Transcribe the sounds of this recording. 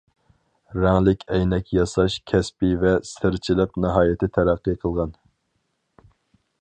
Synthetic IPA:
ɾæŋlˠɪkʲʰɛjnɛkʲjɑsɑʃkʲʰɛspivɛsɪɾt͡ʃʰilˠɨqnɨɦɑːjɪt̪ʰɪt̪ʰæɾæqːiqʰəlˠʁɑn

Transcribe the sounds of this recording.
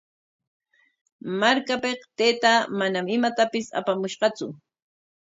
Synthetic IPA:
maɾkapeqt̪ejt̪amanamɪmat̪apɪsa̰pamʊʃɢɑt͡sʊ

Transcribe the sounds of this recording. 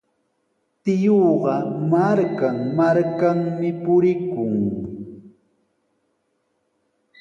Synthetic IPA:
t̪ɪjoːɢɑmaɾkaŋmaɾkaŋmɪpʊɾɪkʊŋ

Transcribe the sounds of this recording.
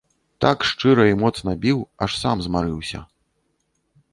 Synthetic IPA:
t̪akʂt͡ʂɨɾɐimɔt̪snɐbʲiwɐʂsamzmaɾɨwsʲɐ̰

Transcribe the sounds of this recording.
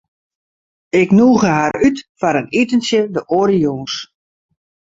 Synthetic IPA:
ɪknuːɣəhaɾytfaɾənitənsjədəʔoːɾijoːns

